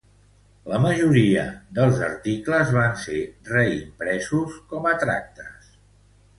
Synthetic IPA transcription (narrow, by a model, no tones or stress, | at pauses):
ləməʒuɾiə̰d̪əlˠzə̰ɾt̪ikləzβanserɛḭmpɾɛzuskɔmət̪ɾa̰k̚t̪əs